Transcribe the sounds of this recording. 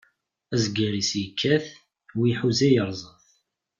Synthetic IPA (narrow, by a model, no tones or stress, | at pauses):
æzɡəɾisjəkʰːæθ | wiħuzæjəɾˤzˤəθ